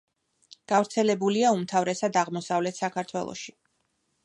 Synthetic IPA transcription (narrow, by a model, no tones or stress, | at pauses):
ɡ̥avɾt̪sʰɛlɛbuliaumt̪ʰavɾɛsad̪aʁmɔsavlɛt̪ʰsakʰaɾt̪ʰwɛ̰lˠɔ̰ʃi